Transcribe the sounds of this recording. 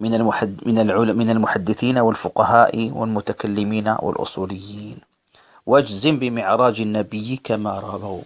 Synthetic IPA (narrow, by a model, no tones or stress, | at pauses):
mɪnmɪnaʕʊmɪnalmʊħad̪ːɪθiːnawɪlfʊqɑhaːʔiwɪ̰lmʊt̪akalːɪmiːna̰wʔɪ̰lʔʊ̰sˤuːlɪjːiiːn | wʔad͡ʒzɪmbɪmɪʕɾˤɑːd͡ʒɪnːabɪjːikamaɾˤɑbaw